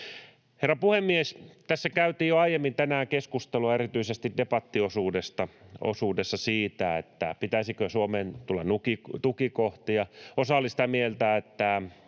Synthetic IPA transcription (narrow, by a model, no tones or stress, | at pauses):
herːɑpuhemːiest̪æsːækæyt̪iːjjoɑijemːint̪ænæːkeskust̪eluɑerit̪yisest̪iddepɑt̪ːiosuːdest̪ɑo̰suːdesːɑsiːt̪æet̪ːæpit̪æisikøsuomeːnt̪ulːɑnnukikt̪ukikoht̪ijɑosɑolisi̥t̪æmielt̪æet̪ːæ